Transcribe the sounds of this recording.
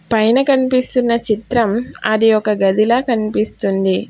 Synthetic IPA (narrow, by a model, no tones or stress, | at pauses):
pɐjnɐkɐnipist̪unːɐt͡ʃit̪ɾɐmɐ̰d̪ijɔkɐɡɐd̪ilɐːkɐnipist̪und̪i